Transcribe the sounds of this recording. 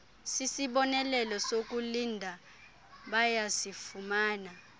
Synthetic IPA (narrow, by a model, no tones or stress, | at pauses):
sisiɓɔnɛlɛlɔsok̬ʼulindʱa | ɓajasifumaːna